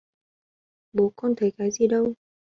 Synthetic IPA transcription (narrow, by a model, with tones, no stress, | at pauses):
bo˨˦kɔː˥nt̪ʰə˨˩jkaː˨˥jsiː˧˩do˥˧w